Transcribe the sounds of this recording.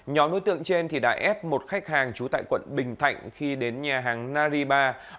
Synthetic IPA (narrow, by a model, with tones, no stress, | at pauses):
ɲɔ˨˦mɗo̰˧˦jt̪ɨ̰˧˨əŋt͡ɕe˧nt̪ʰi˨˩ɗa̰ː˧˥ʔɛ˦˥p̚mo˨˩t̚xa˦˥jk̟̚haː˨˩ŋt͡ɕu˨˦t̪a̰ː˧˨jkwə̰˧˨nɓï˨˩ŋ̟t̪ʰa̰˧˨jŋ̟xi˧ɗe˨˦nɲaː˨˩ɦaː˨˩ŋnaː˧zi˧ɓaː˧